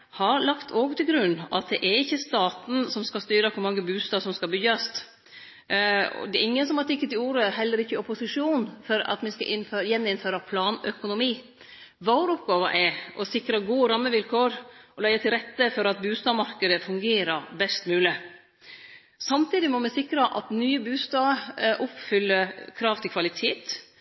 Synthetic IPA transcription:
hɑɾlɑkt̪ʰoːɡt̪ʰɪlɡɾʉnːɑ̰t̪̚d̪ɛʔɛɾɪçːəst̪ɑːt̪n̩sɔmskɑst̪yːɾɑkʰʊɾmɑŋːəbʉːst̪ɑːʋsɔmskɑbʏɡɑst̪ | ɔ̰d̪ɛɾɪŋːənsɔmhɑt̪ɪkːət̪ɪluːɾəɦɛlːəɾɪçːəɔpʊsɪʂuːnfɔɾɑ̰t̪mɛskɑ̰ʔɪnføjɛnːɪnføːɾɑpʰlɑːnœkʊnʊmiː | ʋɑɾʊpɡɑːʋəʔɛʔɔsɪkɾɑɡuːəɾɑmːəʋɪlkʰoːɾʔɔlæːɛt̪ʰɪlɾɛt̪ːəfɔɾɑt̪̚bʉːst̪ɑːmɑɾkəd̪əfʉŋɡeːɾəbɛst̪mʉːlɪ | sɑmt̪ʰiːd̪ɪmɔmɛsɪkɾɑʔɑ̰t̪nyːəbʉːst̪ɑːʔʊpfʏlːəɾkʰɾɑːʋt̪ʰɪlkʰʋɑlɪt̪ʰeːt̪

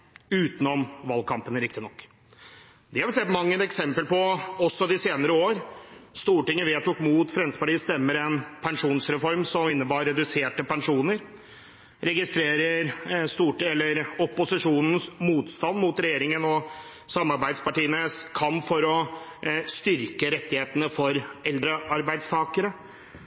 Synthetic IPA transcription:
ʉːt̪nɔmʋɑlɡ̚kʰɑmpənɾɪkt̪ɪnɔkː | d̪ɛhɑɾʋɪlsɛt̪ːmɑŋːəɛksɛmpəlpɔɔsːɔd̪ɪseːnəɾəoːɾst̪uːʈɪŋːəʋeːt̪ʊkmuːt̪fɾɛnd̪səpɑʈiːəst̪ɛmːəɾɛnpʰɛŋʂuːnsɾɛfɔɾmsɔmɪnːəbɑːɾːɛd̪ʉseːʈəpɛŋʂuːnəɾ | ɾɛɡɪst̪ɾeːɾəɾst̪uːʈɛlːəɾɔpːʊsɪʂuːnən̩smuːt̪st̪ɑnmuːt̪ɾɛjeːɾɪŋənɔ | sɑmːɑɾbæɪd̪spɑʈiːənəskʰɑmpfɔɾɔ | st̪ʏɾkəɾɛt̪ːɪheːt̪ənəfɔɾɛld̪ɾəɑɾbæɪd̪st̪ʰɑːkəɾə

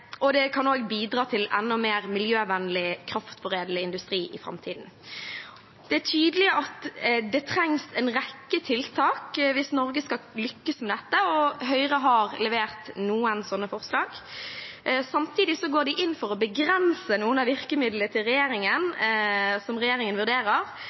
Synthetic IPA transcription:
ʔɔd̪ɛkʰɑnoːɡbiːd̪ʁɑːt̪ʰɪlɛnːɔmeːɾmɪljøːʋɛnːlɪkʰɾɑft̪fɔɾeːd̪ləɪnd̪ʉst̪ɾiːʔɪfɾɑ̰mt̪ʰiːd̪n̩ | d̪̥ɛæʈʰyːd̪əlɪɑt̪d̪ɛt̪ʰɾɛŋsɛnʁɛkːət̪ʰɪlt̪ʰɑːkʋɪsnɔɾɡəskɑlʏkːəsmɛd̪ɛt̪ːəɔɦœʏʁəɦɑɾlɛʋeːʁt̪nuːənsɔnːəfɔʁslɑːɡ | sɑmt̪ʰiːd̪ɪsɔɡoːd̪ɪʔɪnːfɔʁɔbəɡɾɛnsənuːənɑʋɪʁkəmɪd̪lət̪ɪlʁɛjeːɾɪŋən | sɔmʁɛjeːɾɪŋənʋʉɾd̪eːɾəʁ

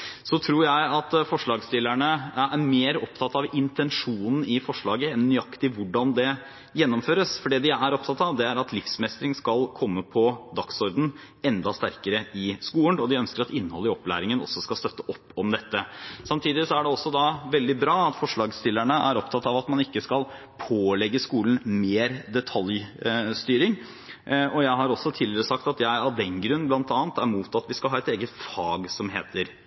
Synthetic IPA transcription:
sɔt̪ʰɾuːɾjæɪɑt̪fɔʂɭɑːɡst̪ɪlːæɳəæɾmeːɾɔpt̪ʰɑt̪ɑʋɪnt̪ʰɛnʂuːnn̩ɪfɔʂɭɑːɡəɛnːʏɑkt̪ɪʋʊɖɑnd̪ɛ | jɛnːɔmføːɾəsfɔɖeːd̪ɪæɾɔp̚t̪ʰɑt̪ːɑʋd̪ɛæɾɑt̪lɪfsmɛst̪ɾɪŋskɑlkʰɔmːəpʰɔd̪ɑksɔɾd̪n̩ | ɛnd̪ɑst̪æɾkəɾəɪskuːənɔd̪ɪœnskəɾɑt̪ɪnːəhɔlːəɪɔplæ̰ːɾɪŋənɔ̰sːɔskɑlst̪œt̪ːəʔɔpːɔmd̪ɛt̪ːəsɑmt̪ʰiːd̪ɪsɔæɖɛɔsːɔd̪ɑʋɛld̪ɪbɾɑːɑt̪fɔʂɭɑːɡst̪ɪlːæɳəʔæɾɔpt̪ʰɑt̪ːɑʋɑt̪mɑnɪkːəskɑl | pʰoːlɛɡːəskuːlən̩meːɾd̪ɛt̪ʰɑljst̪yːɾɪŋ | ɔjæɪɦɑɾɔsːɔt̪ʰiːlɪɾəsɑkt̪ɑt̪jæɪɑʋd̪ɛnɡɾʉnːblɑnt̪ɑːnt̪æɾmuːt̪ɑt̪ʋɪskɑlɦɑːɛt̪eːɡət̪fɑːɡsɔmɦeːt̪ʰəɾ

